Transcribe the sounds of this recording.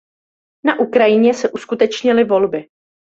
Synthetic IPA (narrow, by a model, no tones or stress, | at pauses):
naʔukɾajɪɲɛsɛʔuskut̪ɛt͡ʃɲɪlɪvo̞lbɪ